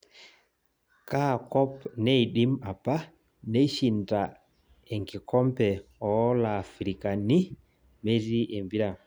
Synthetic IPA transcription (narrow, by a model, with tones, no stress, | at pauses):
ka˦˨kɔ˦pnɛ˦i˨ɗi˦ma˨pa˦ | ne˦ʃi˨nda˨ | ɛ˨ŋɡɪ˨kɔ˦mpɛ˨ɔ˨˦laː˨fɾi˨ka˨ni˦ | me˦ɾi˦ʔe˨mbi˦ɾa˨